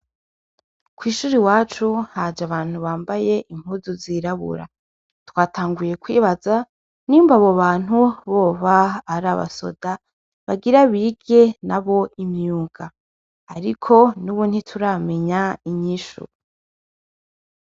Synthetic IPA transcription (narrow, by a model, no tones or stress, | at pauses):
kwiːʃuːɾiwaːt͡ʃuhad͡ʒaβaːn̥huβaːmbaje̞ʔim̥huzuziɾaβṵɾa̰ | twaːtʰaːŋɡuje̞kwiːβaza | nimvaβoβaːn̥huβo̞ːβaːɾaβa̰so̞̰d̥a | βaɡiɾaβiɡe̞naβo̞imjuːŋɡaː | ɾikʰo̞nuβuːnhitʰuɾame̞ɲaiɲiʃṵ